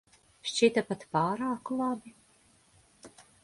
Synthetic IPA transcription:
ʃt͡ʃit̪apat̪pɑːɾaːkulˠabi

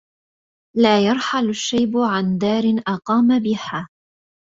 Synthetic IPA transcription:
laːjɑɾˤħalaʃːajbʊʕand̪aːɾɪnʔɑqɑːmabɪhaː

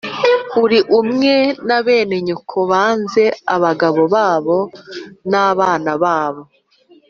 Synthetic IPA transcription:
uɾiʔumŋe̞naβe̞ːne̞ɲokʰoβaːnze̞aβaɡaβo̞βaːβo̞naːβaːnaβaːβo̞

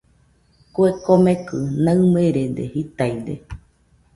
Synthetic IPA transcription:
koekomekɨnãɨmeɾed̪ehit̪ajd̪ḛ

